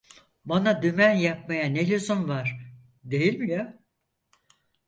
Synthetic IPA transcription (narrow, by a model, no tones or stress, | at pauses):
banad̪ymænjap̚majanelʲezonvaɾ̥ | d̪e̞jilʲmija